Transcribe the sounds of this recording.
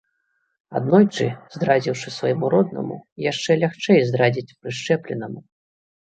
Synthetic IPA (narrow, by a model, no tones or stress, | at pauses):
a̰d̪nɔjt͡ʂɨ̰zd̪ɾad͡zʲiwʂɨsvajmuɾɔd̪nɐ̰mṵijaʂt͡ʂɛlʲaxt͡ʂɛjzd̪ɾad͡zʲit͡sʲpɾɨʂt͡ʂɛplʲɛ̰nɐmu